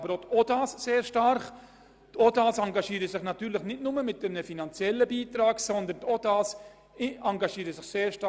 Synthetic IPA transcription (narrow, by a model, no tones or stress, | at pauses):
bəɾotʰodɑːsseːɾʃtɑɾχ | t̪ʰɔdaːsɑŋɡɑʃiːɾəsɪχnɑt̪yːɾlɪχnɪtnʊməmɪt̚ːɛmnəfinɑnt͡sjɛlːəbiːtɾɑːɡsɔnd̪əntɔdɑːs | ɑŋɡɑʃiːɾəsɪχseːɾʃtɑ